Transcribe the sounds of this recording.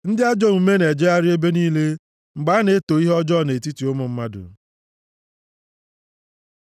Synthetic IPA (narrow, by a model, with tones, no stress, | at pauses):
n̩˦dɪ˦a˦d͡ʒɔ˦˨mu˨me˦ne˨d͡ʒe˦a˦ɾɪ˦e˦be˦niː˦le˦ | ŋ͡m̩˨ɡ͡ba˦ne˨˦to˨i˦ɦɔ˦d͡ʒɔ˦˨ne˨ti˦ti˨o˦mʊ˨m̩˦ma˦dʊ̰˨